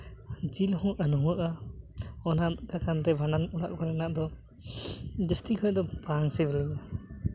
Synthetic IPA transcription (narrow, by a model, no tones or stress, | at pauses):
d͡ʒilhɔ̃ənɔwəʔa | ɔnadkakʰant̪ɛbʱananuɽaʔkɔɾɛnaʔd̪ɔ | d͡ʒəst̪ikʰɔjd̪ɔbaŋsɛbɛlɛʔa